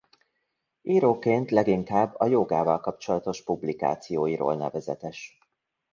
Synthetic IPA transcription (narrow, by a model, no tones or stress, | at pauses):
iːɾoːkeːnt̪lɛɡiŋkaːbːɒjoɡaːvɒlkɒpt͡ʃo̞lɒt̪o̞ʃpublika̰ːt̪sijoːjiɾo̰ːlnɛvɛzɛt̪ɛʃ